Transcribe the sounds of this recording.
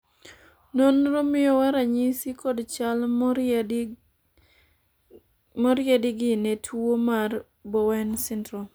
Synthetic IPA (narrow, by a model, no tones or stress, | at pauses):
nonɾomɪjɔwaɾaɲisikɔdt͡ʃal | mɔɾɪjɛdɪɡɪnetʰwomar | bɔwɛnsɪndɾom